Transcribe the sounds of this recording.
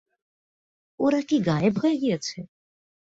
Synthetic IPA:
oːɾakiɡaːebʱɦoeɡijet͡ʃʰɛ

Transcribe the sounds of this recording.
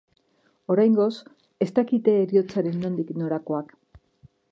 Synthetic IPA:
o̞ɾajŋɡo̞s | e̞st̪akit̪eːɾio̞t͡saɾe̞nːond̪ikno̞ɾako̞ak

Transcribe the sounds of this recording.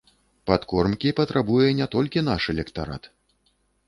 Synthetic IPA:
pat̪kɔrmkʲipɐt̪ɾabujɛnʲat̪ɔlʲkʲinaʂɛlʲɛkt̪aɾa̰t̪

